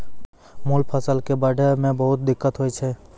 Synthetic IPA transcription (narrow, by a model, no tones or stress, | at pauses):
mulpʰəsəlkebaːɖʱemẽbəɦʊt̪̚d̪ɪkːət̪ɦoːit͡ʃʰɛ